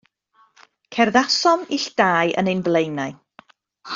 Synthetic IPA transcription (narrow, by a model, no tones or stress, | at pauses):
kʰɛrðasɔmiɬd̥aːjʔə̰nejnblˠejnaɨ